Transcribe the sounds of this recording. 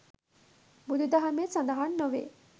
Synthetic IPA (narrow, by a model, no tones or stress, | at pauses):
bud̪ud̪ɐɦɐmesɐnd̪ɐɦanːoʋḛ